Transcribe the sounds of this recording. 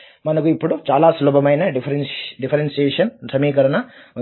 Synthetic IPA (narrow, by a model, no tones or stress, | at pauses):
mɐnɐkuipːuɽut͡ʃaːlaːsloːbɐmɐjnɐɖifʰɐɾɖipʰɐɾensijeːʂɐnt̪ʰɐmiːkɐɾɐnɐ